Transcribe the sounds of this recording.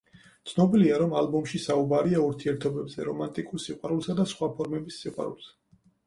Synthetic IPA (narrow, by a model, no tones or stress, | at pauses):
t̪sʰnɔbiliaɾɔmalˠbɔmʃisaubaɾiauɾt̪ʰiɛɾt̪ʰɔbɛbzɛ̰ɾɔmant̪ʼikʼuɾsiqʼwaɾulˠsad̪asχwapʰɔɾmɛbisːiqʼwa̰ɾṵlˠsa